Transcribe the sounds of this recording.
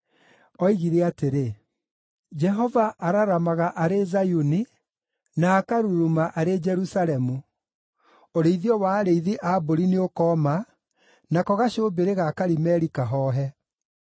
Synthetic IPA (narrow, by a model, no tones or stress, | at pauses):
ɔiɣiɾɛateɾe | d͡ʒɛɦɔvaʔaɾaɾamaɣaʔaɾezajuni | naːkaɾuɾumaʔaɾed͡ʒɛɾusaɾɛmu | oɾeiðiɔwaːɾeiðiʔaboɾineokɔːma | nakɔɣaɕoːbeɾeɣakaɾimɛɾikaɦɔːɦɛ